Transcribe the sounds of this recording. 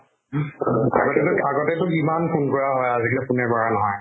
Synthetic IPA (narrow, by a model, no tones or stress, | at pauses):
a̰ɡɔtɛtʊaɡɔtɛtʊimanpʰunkɔɹaɦɔjaziklɛpʊnɛbaɹanɔɦɔj